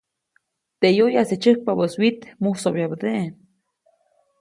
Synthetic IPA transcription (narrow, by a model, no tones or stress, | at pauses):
t̪eʔjojaset͡ʃəh̚pabəswit̪muhsoβjabəd̪eʔe